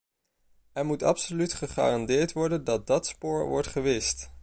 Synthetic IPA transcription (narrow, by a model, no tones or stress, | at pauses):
ɛɹmutɑ̰psolytχəχa̰ːrɑndɪːɹtʋɔɹdəndɑt̚dɑtspʊːɹʋɔ̰ɹtχəʋɪst